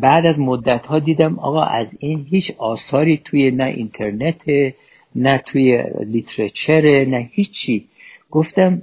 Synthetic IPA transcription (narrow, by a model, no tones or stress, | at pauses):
bæʔd̪æzmod̪ːæt̪hɒːd̪iːd̪æmɒ̰ːɣɒ̰ːʔæziːnɦiːt͡ʃʰɒːsɒːɾiːt̪ʰujenæʔḭnt̪ʰe̞ɾnet̪ʰe | næt̪ʰuːjḛlit̪ʰɾet͡ʃʰeɾenæhiːt͡ʃʰːiː | ɡ̥oft̪æm